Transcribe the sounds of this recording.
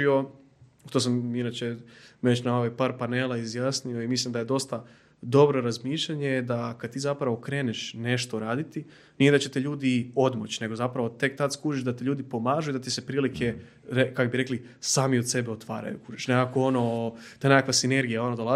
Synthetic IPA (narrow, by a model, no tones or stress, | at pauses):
io̞ | ut̪os̬aminat͡ʃeʋet͡ɕnao̞ʋajpaːɾpane̞ːlaizjaːsnio̞imislimd̪aje̞d̪o̞st̪a | d̪o̞bɾo̞ɾazmiːʃʎaɲed̪akad̪̚t̪iːzapɾaʋo̞kɾe̞ːneʃne̞ʃt̪oɾaːd̪it̪i | nijed̪at͡ɕe̞t̪eʎuːd̪io̞d̪mot͡ɕne̞ɡo̞zapɾaʋo̞t̪e̞k̚t̪at̪skuːʒiʒd̪at̪eʎuːd̪ipo̞maːʒuid̪at̪isepɾiːlikʰe̞ | ɾekakobiɾe̞kli | saːmiod̪se̞beo̞t̪ʋa̰ːɾa̰jṵkuːʒiʃneakoono̞t̪anekakʋasine̞ɾɡijao̞nod̪ola